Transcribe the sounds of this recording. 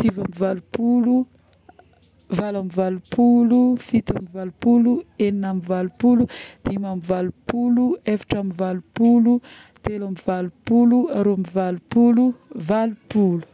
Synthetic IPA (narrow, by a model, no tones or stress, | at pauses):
t͡sivamivalupulu | valamivalupʰulufit̪amivalupulueninamivalupulud̪̥imamivalupuluefḁʈ͡ʂamivalupulu | t̪elamivalupuluaɾuamivalupuluvalupulu̥